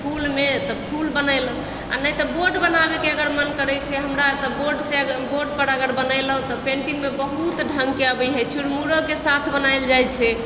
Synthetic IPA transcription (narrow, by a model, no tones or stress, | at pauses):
pʰulmet̪ɔpʰulbənəɪl | a̰nəjt̪ɔboɾɖbənabekeəɡəɾmənkəɾɛt͡ʃʰɛɦəmɾat̪ɔboɾɖseəɡəboɾɖpəɾəɡəɾbənəɪləɦt̪ɔpẽɳʈiŋmebəɦut̪ɖʱə̃ŋɡkeabəjɦɛt͡ʃuɽmuɽokesat̪ʰbənaɪld͡ʒajt͡ʃʰɛ